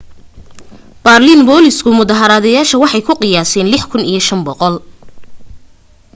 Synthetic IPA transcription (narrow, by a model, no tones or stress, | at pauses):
b̥arlinbɔːlɪskʰʊmʊðɐɦɐɾaːðɐjaːʃɐwɑħɑjkʰʊqɪjaːsɛːnlɪħkʰʊnḭjɞʃɐnbɔqɔl